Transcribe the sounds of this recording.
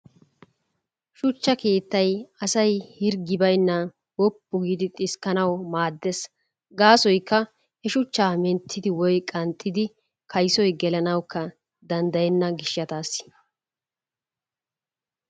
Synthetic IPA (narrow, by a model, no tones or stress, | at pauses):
ʃʊt͡ʃːɐke̞ːt̪ːɐjɐsɐjhɪɾɡɪbɐjnːɐ | wɔpːʊɡiːd̪ɪt̪ʼɪskːɐnɐwmaːd̪ːɛs | ɡaːsɔjkːɐ | hɛʃʊt͡ʃːaːmɛnt̪ʰːɪd̪ɪwɔjkʼɐnt̪ʼːɪd̪ɪ | kʰɐjsɔjɡɛlɐnɐwkːɐ | d̪ɐnd̪ɐjɛnːɐɡɪʃːɐt̪aːsːɪ̥